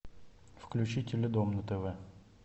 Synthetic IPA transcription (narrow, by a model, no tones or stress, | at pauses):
fklʲʉt͡ɕitʲɪlʲɪd̪omnət̪əvɛ